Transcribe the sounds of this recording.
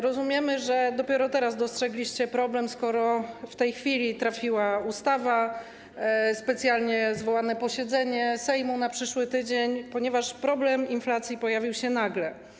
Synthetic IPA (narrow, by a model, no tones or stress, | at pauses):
ɾɔzumʲjɛmɘʐɛd̪ɔpʲjɛɾɔt̪ɛɾaz̬d̪ɔstʂɛɡlʲiɕt͡ɕɛpɾɔblɛmskɔɾɔft̪ɛjxfʲilʲit̪ɾafʲiwaust̪ava | spɛt̪sʲjalɲɛzvɔwanɛpɔɕɛd̪zɛɲɛsɛjmunapʂɘʂwɘt̪ɘd͡ʑeɲpɔɲɛvaʂpɾɔblɛminflat̪sʲjipɔjavʲiwɕɛnaɡlɛ